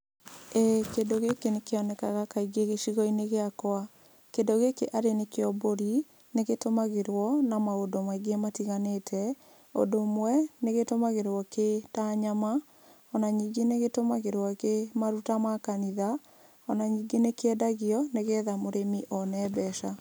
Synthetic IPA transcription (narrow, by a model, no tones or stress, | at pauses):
ɛkedoɣekenekeɔnɛkaɣakaiɡeɣeʃiɣɔineɣeakɔa | kendoɣekeʔaɾenekeɔboɾi | neɣetomaɣeɾwɔnamaodomwaɡematiɣanetʰɛ | o̰domwɛneɣetomaɣeɾwɔketaɲama | ɔnaɲiɡeneɣetomaɣeɾwɔkemaɾutamakaniða | ɔnaɲiːɡenekeɛdaɣiɔneɣɛðamoɾemiʔɔnɛːbɛʃa